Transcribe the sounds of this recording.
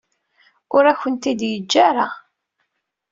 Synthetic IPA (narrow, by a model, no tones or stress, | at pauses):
ʊɾæçənt̪id̪jəd͡ʒːaɾa